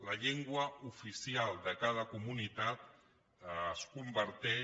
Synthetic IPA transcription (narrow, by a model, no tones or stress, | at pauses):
laʎeŋɡwaufisialˠd̪əkað̞əkumunit̪at̪̚ | əskumbəɾt̪ɛ